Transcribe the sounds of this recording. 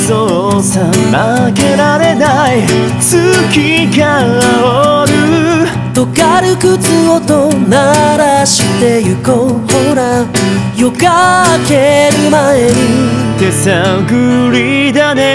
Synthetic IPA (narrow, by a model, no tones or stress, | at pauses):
zo | samːakeɾaɾe̞nai | t͡sɨkʲikawaoɾɯ | t̪okaɾɯkɯt͡sɨot̪onaɾaɕit̪e̞jɯkohoɾajokakeɾɯmaeɾɯ | d̪esaɡɯɾʲid̪ane